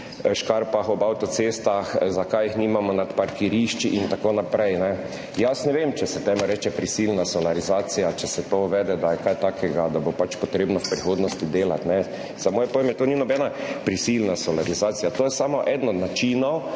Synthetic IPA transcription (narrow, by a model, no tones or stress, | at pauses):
ʃkaɾpaxɔbawt̪ɔt̪sest̪axzakajixniːmamɔnat̪paɾkiɾiʃt͡ʃiʔint̪akoːnapɾɛjnɛ | jasnɛʋemt͡ʃɛsɛt̪ɛmɔɾɛːt͡ʃɛpɾisilnasɔlaɾizaːt̪sijat͡ʃɛsɛt̪ouʋɛːd̪ɛd̪ajɛkajt̪aːkʰɛɡad̪abopat͡ʃpɔt̪ɾeːbnɔwpɾixoːd̪nɔst̪id̪eːlat̪nɛ | zamoːjɛpoʋemɛt̪oːninɔbɛːnapɾisilnasɔlaɾizaːt̪sijat̪oːjɛsamɔʔɛd̪nɔnat͡ʃiːnɔ